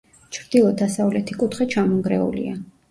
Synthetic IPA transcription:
t͡ʃʰɾd̪̥ilˠɔd̪asavlɛt̪ʰikʼut̪ʰχɛt͡ʃʰamɔŋɡɾɛṵlḭa

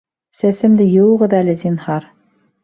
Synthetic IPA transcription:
sæsɘ̆md̪ɘjɤ̆wʁɤðælɘzinhɑɾ

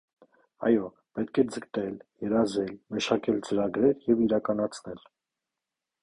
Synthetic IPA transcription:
ɑ̰jɔ | pɛt̪kʰɛd͡zəkt̪ɛljɛɾɑzɛlməʃɑkɛlt͡səɾɑɡɾɛɾjɛviɾɑkɑnɑt͡sʰnɛl

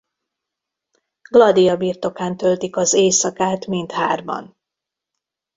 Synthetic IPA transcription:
ɡlɒd̪ijɒbiːrt̪o̞kaːnt̪ølt̪ikɒzeːsɒkaːt̪mint̪haːrbɒ̰n

